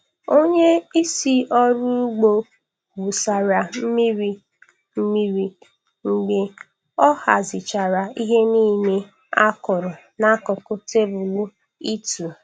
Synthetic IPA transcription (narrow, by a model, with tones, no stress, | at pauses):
o˦ɲe˦i˦si˦ʔɔ˦ɾu˦ɡ͡bo˦ | wu˨sa˨ɾa˨m̩˦mi˦ɾi˦ | m̩˦mi˦ɾi˨ | ŋ͡m̩˨ɡ͡be˨ | ɔ˦ha˨zɪ˨t͡ʃa˨ɾa˨i˦ɦe˦niː˦me˦ | a˦kʊ˨ɾʊ˨ | na˦kʊ˨kʊ˦te˦bʊ˨lʊ˦ | i˦tu˨